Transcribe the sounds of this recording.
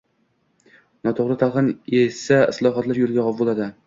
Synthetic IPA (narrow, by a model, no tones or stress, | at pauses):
nɒt̪ʰoʁɾɪt̪ʰɑʁɨnesaɪslˠɒɦat̪laɾjolˠɡʲaʁɒpbolˠad̪ɪ